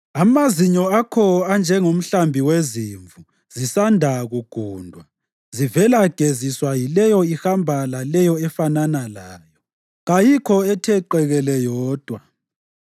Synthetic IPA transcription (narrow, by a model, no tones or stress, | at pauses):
amaziɲɔakʰɔand͡ʒʱɛŋom̩ɬambʱiweziːɱvu | z̥isandʱaɣuɡ̥ʱuːndʱwa | zivɛlaɡ̥ʱeziswajilɛjɔihambʱalalɛjɔɛfananalaːjɔ | ɣajikʰɔɛtʰɛǃɛɣɛlɛjɔːd̥ʱwa